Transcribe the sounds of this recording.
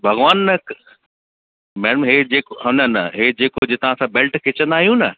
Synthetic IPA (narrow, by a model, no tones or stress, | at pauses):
bʱɐɣʋaːnːɐk | mɛːɽəmɦed͡ʑeːkoɦɐ̃nɐnɐɦed͡ʑeːkod͡ʑet̪ɐʋ̤ãːsãːbelʈkʰɪt͡ɕə̃nd̪aːɦijũnɐ